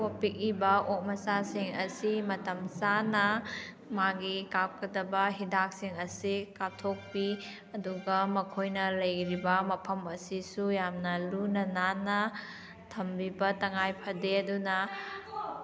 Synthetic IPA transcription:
wapik̚ibɐok̚mɐsasiŋɐsimɐtɐmsanɐ | maɡikap̚kʰɐdɐbɐɦidak̚siŋɐsikatʰok̚pi | ɐduɡɐmɐkʰojnɐlɐjɾibɐmɐpʰɐmɐsisujamnɐlunɐnanɐ | tʰɐmbibɐtɐŋajpʰɐdeɐdunɐ

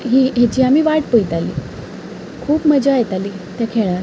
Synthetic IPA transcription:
ɦiːɦet͡ɕiːamiːʋaʈpojt̪alḭː | kʰuːpməd͡ʑaːjt̪ali | t̪jakʰeɭãɾ

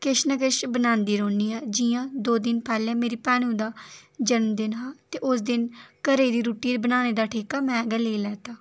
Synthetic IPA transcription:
kɪʃnəkɪʃbənaːnd̪iːɾoːniːaːd͡ʒɪjãːd̪oːd̪ɪnpɛːlẽːmeːɾiːpɛːɽ̃ũːd̪aːd͡ʒənmd̪ɪnɦaːt̪eːʔʊs̬d̪ɪnkəɾeːd̪iːɾuːʈiːd̪bənaːneːd̪aːʈʰeːkaːmɛ̃ːɡəleːilɛːt̪aː

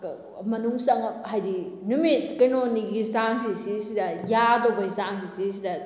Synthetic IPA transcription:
mɐnuŋsɐŋhajdinumit̚kɐjnoniɡisaŋsisisidɐjadobɐjsaŋsisisidɐ

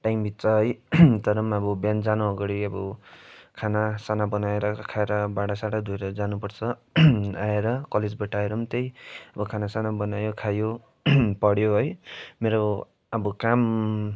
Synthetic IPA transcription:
ʈajmbit̪ːt͡sʌɦʌjt̪ʌɾʌmʌbʌbjand͡zanoɦʌɡʌɽiʌbʌkʰanasanabʌnaeɾʌkʰaeɾʌbaɽasaɽad̪ʱujɾʌd͡zanupʌrt͡sʰʌ | aeɾʌkʌled͡zbʌʈaeɾʌmt̪ʌjʌbʌkʰanasanabʌnajokʰajo | pʌɽjoɦʌjmeɾo | ʌbʌkam

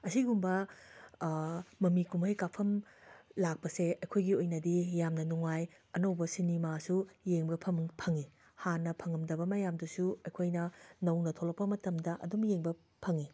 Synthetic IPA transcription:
ɐsiɡumbɐ | mɐmikumɐjkapʰɐmlak̚pɐseɐjkʰojɡiojnɐdijamnɐnuŋaj | ɐnɐwbɐsinimasujeŋbɐpʰɐmŋpʰɐŋi | hanːɐpʰɐŋɐmdɐbɐmɐjamdɐsuɐjkʰojnɐnɐwnɐtʰolɐkpːɐmɐtɐmdɐʔɐ̰dumjeŋbɐ | pʰɐŋi

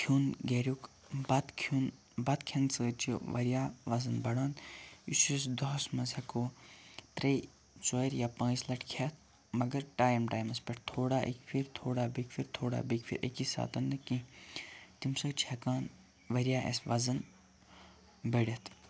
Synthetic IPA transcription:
kʰuːnɡeɾʲuk | bɐt̪kʰun | bɐt̪kʰɐnsɨt͡ʃʰiʋɐɾjaːʋɐzɐnbɐɽãːnd̪isisd̪ɔɦsmɐzɐkoːt̪ɾej | t͡soːɾjaːpãːslɐʈkʰɐt̪̚ʰ | mɐɡɐɾʈaːjmʈaːjmɐspʲeʈt̪ʰoːɽaːʔḛkfʰiɾt̪ʰoːɽaːbikfʰiɾt̪ʰoːɽa̰ːbikpʰḭɾʔḛkisa̰ːt̪ɐnd̪ɨkĩ | t̪imsɐt͡ʃʰɐkaːn | ʋɐɾjaːʔḛsʋɐzɐn | bɐɽʲɐt̪ʰ

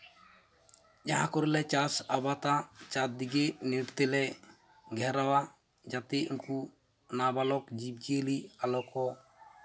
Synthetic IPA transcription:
d͡ʒaɦãkɔɾilɛt͡ʃasabat̪at͡ʃat̪̚d̪iɡeʔniʈt̪ɛlɛ | ɡʱɛɾawa | d͡ʒat̪eunku | nabalɔkd͡ʒib̚d͡ʒiəlialɔkɔ

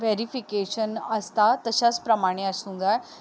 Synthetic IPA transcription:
ʋeɾifikeɕənəst̪at̪əɕat͡spɾəmaɽ̃eəsũŋɡ̪a

